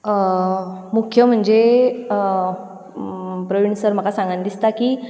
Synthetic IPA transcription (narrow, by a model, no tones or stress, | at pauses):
mukʰjəm̤əɳd͡ze | pɾəʋiɳəsəɾm̤əkasãŋɡand̪ist̪akiː